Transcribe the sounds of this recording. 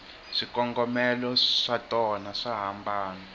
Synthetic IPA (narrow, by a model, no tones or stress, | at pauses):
ʂikɔŋɡɔmɛlɔʂatʼɔnaʂaɦambʱaːnɔ